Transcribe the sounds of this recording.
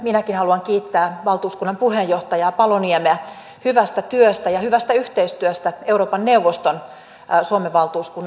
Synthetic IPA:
minækinhɑluɑŋkiːt̪ːæːʋɑlt̪uːskunːɑmpuhejoht̪ɑjɑːpɑloniemeæ | hyʋæst̪æt̪yøst̪æjɑhyʋæst̪æyht̪eist̪yøst̪æeuɾoːpɑnneuʋːost̪on | suomeʋɑlt̪uːskunː

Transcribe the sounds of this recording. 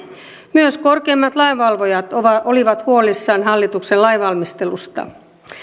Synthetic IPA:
myøsko̞rkeːmːɑt̪lɑiʋɑlʋojɑt̪oliʋɑt̪huo̞lisːɑːnɦɑlːit̪uksellɑiʋɑlmist̪e̞lust̪ɑ̰

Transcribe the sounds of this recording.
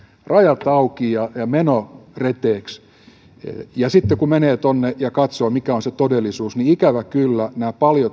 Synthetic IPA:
rɑjɑt̪ɑukijɑjɑmenoret̪eːks | jɑsit̪ːekumeneːt̪onːejɑkɑt̪soːmikæonset̪odelːisuːsniikæʋækylːænæːpɑljo

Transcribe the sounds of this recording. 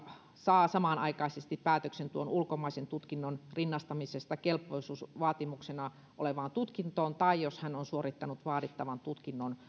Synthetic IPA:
sɑːsɑmɑˑnɑ̰ikɑisest̪ippæːt̪øksent̪uonulkomɑisent̪ut̪kinːonrinːɑst̪ɑmisest̪ɑkelpːˑoisuːsʋɑːt̪imuksenɑ | ʔo̰leʋɑˑnt̪ut̪kint̪oːnt̪ɑijjoshænonsuorit̪ːɑnut̪ʋɑːtit̪ːɑʋɑnt̪ut̪kinːon

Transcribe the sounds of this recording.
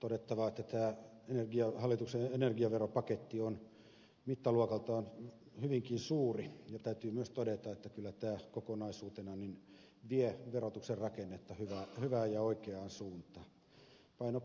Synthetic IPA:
t̪odet̪ːɑʋɑet̪ːæt̪æː | enerɡiɑhɑlːit̪ukseenerɡiɑʋeropɑket̪ːion | mit̪ːɑluokɑlt̪ɑon | hyʋiŋkinsuːrijɑt̪æyt̪yːmyøst̪odet̪ɑet̪ːækylːæt̪æːkokonɑisuːt̪enɑnin | ʋieʋerot̪ukserrɑkenːet̪ːɑhyʋæhyʋæːjɑoikeɑːnsuːnt̪ɑ | pɑino

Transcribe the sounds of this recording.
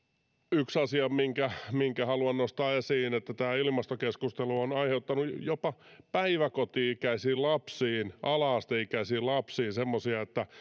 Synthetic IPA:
yksɑsiɑmiŋkæmiŋkæhɑluɑnnost̪ɑːesiːnet̪ːæt̪æːilmɑst̪okeskust̪eluonɑiheut̪ːɑnujjopɑpæiʋækot̪iːkæisiːllɑpsiːnʔɑlɑːst̪eikːæsiːllɑpsiːsemːosiɑet̪ːæ

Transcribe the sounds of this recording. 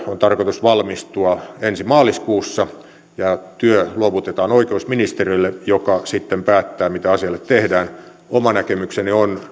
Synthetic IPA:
ont̪ɑrkot̪usʋɑlmist̪uɑensimɑːliskuːsːɑ | jɑt̪yøluoʋut̪et̪ɑːnoikeusminist̪erilːejokɑsit̪ːempæːt̪ːæːmit̪æɑsiɑlːet̪t̪ehdæːn | omɑnækemyksenion

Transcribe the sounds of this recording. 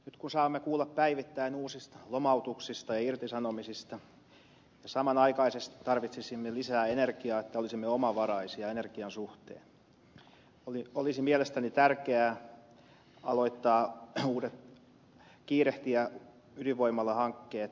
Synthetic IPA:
nyt̪kunsɑːmːekuːlːɑppæiʋit̪ːæinuːsist̪ɑ̥lomɑut̪uksist̪ɑjɑirt̪isɑnomisist̪ɑ | jɑsɑmɑnɑikɑisest̪i̥t̪ɑrʋit̪sisimːelisæːenerkiɑːet̪ːæolisimːeomɑʋɑrɑisiɑenerkiɑnsuht̪ḛːn | oliolisimielest̪ænit̪ærkeæː | ɑloit̪ːɑːuːdet̪ | kiːɾeht̪iæ | yliʋoimːɑlːɑhɑŋkːeːt̪

